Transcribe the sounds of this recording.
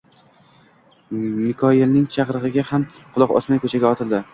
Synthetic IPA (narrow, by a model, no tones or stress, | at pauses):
mɪkʰɒɪlnɪŋt͡ʃʰaqɾɨʁɨɡʲahamqʰʊlˠɒqɒ̰smajkʰɵt͡ʃʰaɡʲaɒt̪ʰɪld̪ɪ